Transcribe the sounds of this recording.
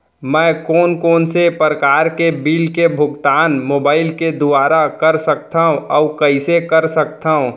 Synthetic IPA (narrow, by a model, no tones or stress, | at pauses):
mɛ̃ːkɔːnkɔːnsepəɾəkaːɾkebiːlkebʱʊɡt̪aːnmoːbaːɪlked̪ʊaːɾakəɾsək̚t̪aɦũʔɔːʊkɐɪsekəɾsək̚t̪aːɦũ